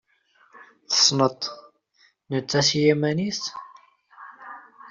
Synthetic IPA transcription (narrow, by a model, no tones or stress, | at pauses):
θə̥sˤnət̪ˤ | nət͡sːæsijæmænis